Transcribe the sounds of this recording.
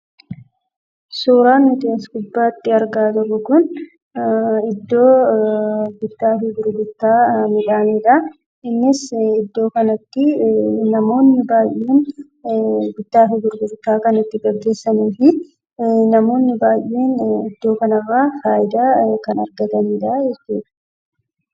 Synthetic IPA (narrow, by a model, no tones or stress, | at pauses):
suːɾaːnːɪt̪ɪɐsɡʊbːaːt̪ːɪɐɾɡaːt̪ʊrːʊkʊn | ɪd̪ːo̞ː | ɡʊd̪ːaːfɪɡʊɾɡʊt̪ːaːmɪᶑaːneːᶑɐ | ɪnːɪsɪd̪ːo̞ːkɐnɐt̪ːɪnɐmo̞ːnːɪbaːjʔːe̞ːn | ɡʊd̪̥ːaːfɪɡʊɾɡʊɾt̪ːaːkɐnɪt̪ːɪɡɐɡːe̞ːsːɐnuːfɪ | nɐmo̞ːnːɪbaːjʔe̞ːnɪd̪ːo̞ːkɐnɐrːaːfaːjɪd̪aːkɐnɐɾɡɐt̪ɐniːᶑɐd͡ʒɛt͡ʃːuːᶑɐ̥